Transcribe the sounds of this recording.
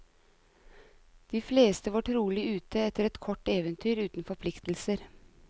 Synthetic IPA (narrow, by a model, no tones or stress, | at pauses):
d̪̥iːfleːst̪əʋɑʈɾuːlɪʉːt̪əɛt̪əɾɛt̪kʰɔʈːeːʋənt̪ʰyːɾʉːt̪n̩fɔɾpʰlɪkt̪l̩səɾ